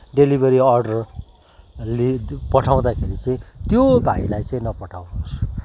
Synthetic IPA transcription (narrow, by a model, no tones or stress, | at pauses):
ɖelibʱʌɾiʌrɖʌr | lipʌʈʰaw̃d̪akʰeɾit͡sʌĩt̪jobʱailajt͡sʌĩnʌpʌʈʰawnuɦos